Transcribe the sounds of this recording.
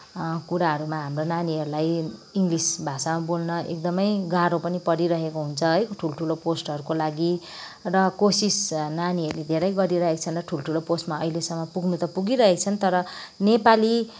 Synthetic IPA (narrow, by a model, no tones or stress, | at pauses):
kuɾaɦʌɾumaɦamronaniɦʌɾulajiŋɡlisbʱasamabolnʌʔḛk̚d̪ʌmʌjɡaɾopʌnipʌɾiɾʌɦekoɦunt͡sʰʌɦʌjkoʈʰulʈʰuloposʈʌɾukolaɡi | rʌkosisnaniɦʌɾuled̪ʱeɾʌjɡʌɾiɾʌɦekt͡sʰʌnrʌʈʰulʈʰuloposʈmaʌilesʌmːʌpuɡnut̪ʌpuɡiɾʌɦekt͡sʰʌnt̪ʌɾʌnepali